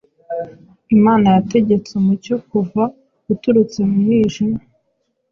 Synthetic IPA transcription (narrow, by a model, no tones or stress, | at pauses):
imaːnajate̞ɟe̞t͡sumuco̞kuva | ɡutuɾut͡se̞muiːʒima